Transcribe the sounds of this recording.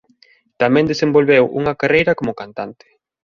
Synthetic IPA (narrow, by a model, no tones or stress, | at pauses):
t̪amɛ̃nd̪esembolβewʔṵŋɐkarejɾɐkomʊkant̪ant̪ɪ̥